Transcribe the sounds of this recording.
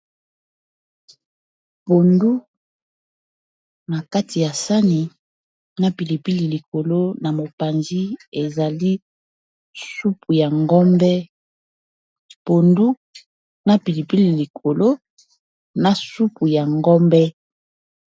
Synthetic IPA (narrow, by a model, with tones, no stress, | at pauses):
po˨ndu˦ | na˨ka˦tʰi˨ja˨sa˦ni˨ | na˦pi˨li˨pi˦li˨li˨ko˨lo˦na˨mo˨pa˨nzi˦e˨za˨li˦ | su˦pu˨ja˨ŋɡɔ˦mbɛ˦ | po˨ndu˦ | na˦pi˨li˨pi˦li˨li˨kʰo˨lo˦ | na˨su˦pu˨ja˨ŋɡɔ˦mbɛ˦